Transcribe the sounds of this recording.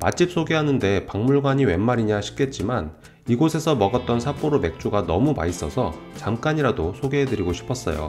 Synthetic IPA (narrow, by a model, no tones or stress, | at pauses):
mat͡ɕ͈ʰip̚s͈oɡeɦanɯnde̞paŋmuɭɡwaɲiwe̞nːaɾiɲaɕʰi̥k̚k͈e̞t̚t͡ɕ͈iman | iɡosʰe̞sʰʌmʌɡʌt̚t͈ʌnsʰap͈oɾome̞k̚t͡ɕ͈uɡanʌmuma̰is͈ʌsʰʌ | t͡ɕamk͈aɲiɾadosʰoɡeɦedɯɾiɡoɕʰi̥pʰʌs͈ʌ̰jo̰